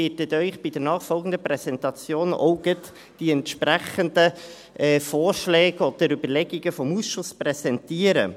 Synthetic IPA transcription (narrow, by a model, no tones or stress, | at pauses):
ɪːtɛt̪œʏχb̥id̥əɾnɑːχfɔlɡən̩d̪əpɾɛsɛntɑt͡sjoːno̰ʊɡ̥ət | d̥iɛntʃpɾæχəndə | ʔɛːfɔːɾʃlɛːɡəɔdəɾybəlɛɡiɡəfɔmusʃʊsprɛzɛntiːəɾə̰